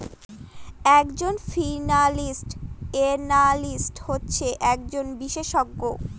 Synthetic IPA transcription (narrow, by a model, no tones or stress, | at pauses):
ɛkd͡ʑonfinalisʈenalisʈhotːɕʰeʔɛk̚d͡ʑonbiʃeʃɔɡːo